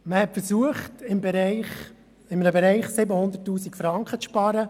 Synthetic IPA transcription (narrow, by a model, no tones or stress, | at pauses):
məhɛtfəɾsuəχtɪmbɛɾɛɪχ | ɪmənəbɛɾɛɪχsɪbəhʊnd̪ətːuːsikfɾɑŋkχət͡sʃpɑɾə